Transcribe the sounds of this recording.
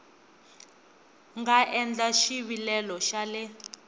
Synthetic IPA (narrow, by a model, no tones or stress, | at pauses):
ŋɡaʔɛnd͡ɮaʃiβilɛlɔʃalɛ